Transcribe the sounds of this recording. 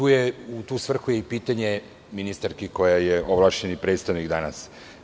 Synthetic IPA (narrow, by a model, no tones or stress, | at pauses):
t̪uːjeut̪uːsʋr̩xujeipiːt̪aɲe | minist̪aɾkiko̞jajeʔoblˠaʃɲenipɾet̪st̪aʋnikd̪anas